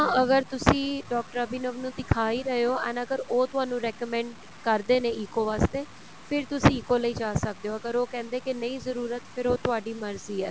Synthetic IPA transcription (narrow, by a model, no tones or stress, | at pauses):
ãːəɡəɾt̪ʊsĩːɖɔːk̚ʈəɾaːbiːnəːʋnũːd̪ɪkʰaːiːɾəɦeoːɛːnəɡəɾoːt̪ʊaːnũːɾɛːkəmɛ̃ːɳɖ | kəɾd̪eːneːɪːkoːʋaːst̪eː | pʰɪɾt̪ʊsĩɪkoːləiːd͡ʒaːsək̚d̪eːoːəɡəɾoːkɛ̃ːnd̪eːkɪnəĩːzəɾuːɾət̪pʰɪɾoːt̪ʊaːɖiːməɾziːɛː